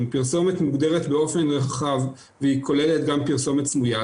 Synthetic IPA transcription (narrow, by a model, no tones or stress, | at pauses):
mpiʁso̞met̪muɡdeʁet̪beo̞fe̞nʁaχav | veikʰo̞le̞let̪ɡampiʁso̞mett͡smuja